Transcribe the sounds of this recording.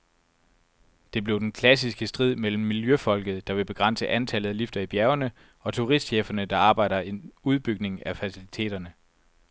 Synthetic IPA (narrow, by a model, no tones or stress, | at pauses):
d̥e̝b̥le̝ʊd̥enkʰlæs̬isɡ̥əsd̥ʁið̰ˠmel̰m̩ːiljøfɒ̽l̰ɡ̥ð̞̩ˠd̥ɑ̈ʋe̝b̥e̝ɡ̥ʁɑ̈n̰səʔænt͡sʰælð̞̩ˠælifd̥ɐib̥jæɐʊɐnə | ɒ̽t͡sʰuʁisd̥ɕeːfɐnəd̥ɑ̈ɑ̈ːb̥ɑ̈ɪ̰ɾ̥ɐe̝nuð̞ˠb̥yɡ̥̚ne̝ŋæfæsilit͡sʰe̝̰ːd̥ɐnə